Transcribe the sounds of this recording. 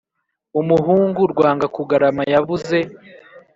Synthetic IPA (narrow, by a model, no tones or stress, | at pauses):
umuɦuːŋɡuɾɡwaːŋɡakuɡaɾamajaβuze̞